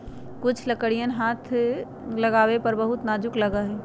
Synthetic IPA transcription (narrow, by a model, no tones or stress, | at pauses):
kʊt͡ʃʰləkəɽijənɦat̪ʰ | ləɡaːwepəɾbəɦut̪naːd͡ʒʊkləɡəɦɛ